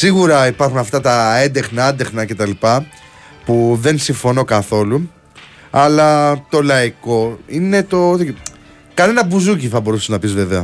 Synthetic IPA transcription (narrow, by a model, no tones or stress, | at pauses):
siɣuɾɐipɐɾxunɐft̪ɐt̪ɐe̞nd̪e̞xnɐɐnd̪e̞xnɐce̞t̪ɐlipɐ | puðe̞nsiɱfo̞no̞kɐθo̞lu | ɐlɐt̪o̞lɐiko̞ine̞t̪o̞t̪ | kɐne̞nɐbuzuciθɐbo̞ɾuseznɐpizve̞ve̞ɐ